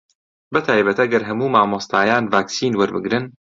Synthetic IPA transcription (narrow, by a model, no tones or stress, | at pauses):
bɐt̪ʰaːjbɐt̪ɐɡɐɾɦɐmuːmaːmost̪aːjaːnvaːksiːnwɐɾbɨɡɾɨn